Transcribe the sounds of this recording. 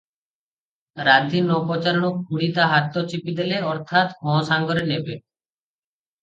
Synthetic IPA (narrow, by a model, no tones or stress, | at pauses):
ɾaːd̪ʱiːnɔːpɔt͡ʃəɾɳ̃ok̚ʰuɽit̪aːɦat̪ːot͡ʃipid̪eleɔɾt̪ʰaːt̪ɦɔ̃ːsaːŋɡɔɾeneːbe